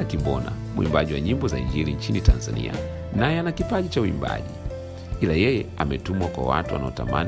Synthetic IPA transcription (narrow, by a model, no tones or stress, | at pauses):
akibɔna̰ | muḭmbaʄiwaɲimbɔzaiɲd͡ʒiliɲt͡ʃinitanzanḭa̰ | najɛanakipaʄit͡ʃauimba̰ʄi | ilajɛjɛamɛtumwakwa̰wa̰tuwa̰naɔtaman